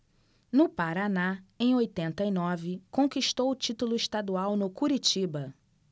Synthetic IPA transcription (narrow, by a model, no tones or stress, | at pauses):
nʊpaɾanaẽj̃ojt̪ẽnt̪ɐinɔvɪkõkiʃt̪owʊt͡ʃit̪ulʊɪʃt̪ad̪uawnʊkuɾit͡ʃibɐ